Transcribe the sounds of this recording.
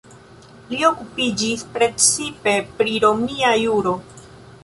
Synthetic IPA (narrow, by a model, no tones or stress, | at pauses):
lio̞kupid͡ʒispɾe̞t͡sipe̞pɾiɾo̞miajuɾo̞